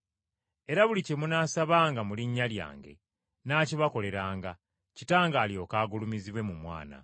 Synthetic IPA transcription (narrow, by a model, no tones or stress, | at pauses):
e̞ɾaβulicemunaːsaβaːŋɡamuliɲːalja̰ːŋɡe̞̰ | naːciβako̞le̞ɾaːŋɡa | citaːŋɡaːljo̞ːkaːɡulumiziβwe̞mumwa̰ːna̰